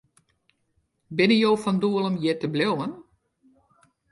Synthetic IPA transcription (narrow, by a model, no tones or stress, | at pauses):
bɪnəjoːfɔnduəlˠəmjɪtəblewən